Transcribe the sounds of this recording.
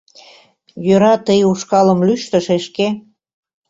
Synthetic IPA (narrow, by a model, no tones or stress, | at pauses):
jøɾɑt̪əjuʃkɑləmlyʃt̪ə̆ʃeʃke